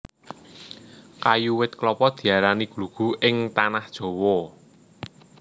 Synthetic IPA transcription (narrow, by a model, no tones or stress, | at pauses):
kajuwɪt̪̚klɔpɔd̪̥i̤aɾaniɡ̥luɡ̥ṳʔɪŋt̪anahd̥ʒ̥o̤wɔ